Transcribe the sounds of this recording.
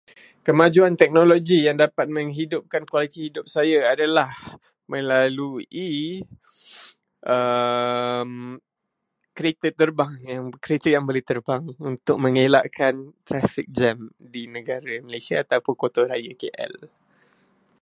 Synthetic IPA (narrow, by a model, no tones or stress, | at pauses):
kəmad͡ʒuant̪ɛk̚noloɡijaŋdapat̪̚məŋɦidʊp̚kankwalit̪ihidʊp̚sajaadalah | məlalui | ʔə | m | kəɾet̪ət̪ːərbaŋjaŋkəɾet̪əjaŋboleht̪ərbaŋunt̪ʊk̚mə̃ŋela̰ʔkant̪ɾafik̚d͡ʒɛmdinəɡaɾaməlasiaːt̪apʊnkot̪oɾajakeʔɛ̰l